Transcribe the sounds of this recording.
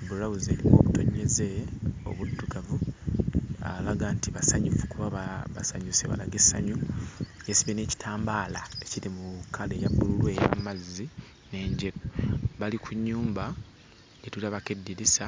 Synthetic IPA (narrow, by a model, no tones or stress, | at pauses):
buɾaβuze̞ːliko̞βutʰo̞ɲːe̞ze̞o̞̰βudːuɡavu | a̰laɡaːntiβasaɲufu̥kuβaβaβasaɲuseβa̰la̰ɡe̞sa̰ɲujesiβene̞ci̥tʰaːmbaːlaeciɾimukːalejabːululwe̞ja̰mazːi | ne̞ːɲɟeɾoβalikʰuɲːuːmba | ɟetulaβakedːiɾisa